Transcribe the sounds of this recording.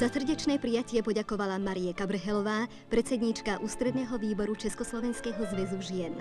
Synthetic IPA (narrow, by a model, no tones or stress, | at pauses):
z̥asr̩ɟɛt͡ʃnɛːpɾijacɪɛpɔɟakɔʋalamaɾiɛkabɾɦɛlɔʋaː | pɾɛt̪t͡sɛd̪ɲit͡ʃkaʔuːst̪ɾɛd̪nɛːɦɔʋiːbɔɾut͡ʃɛskɔslɔʋɛnskɛɦɔzʋɛzuʒɪjɛn